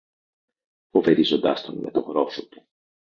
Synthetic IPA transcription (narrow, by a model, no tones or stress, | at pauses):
fo̞ve̞ɾizo̞nd̪ɐ̰st̪onme̞t̪oɣɾo̞fot̪u̥